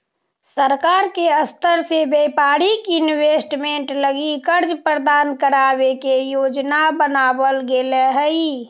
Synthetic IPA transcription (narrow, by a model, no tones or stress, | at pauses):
səɾkaːɾkeəst̪əɾsebepaːɾikɪnweːsʈmẽɳʈləɡikəɾd͡ʒpɾəd̪aːnkəɾaːbekejoːd͡ʒnabənaːbəlɡeleɦəi